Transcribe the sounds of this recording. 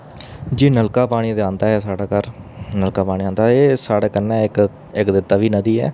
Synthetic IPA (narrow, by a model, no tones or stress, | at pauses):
d͡ʒiːnəlkaːpaːɽ̃iːd̪eãːnd̪aːɦɛːsaːɽaːkəɾnəlkaːpaːɽ̃iːãːnd̪aːeːsaːɽeːkənːãːk | ɪkd̪ɪt̪ːaːʋiːnəd̪iːɛ̰ː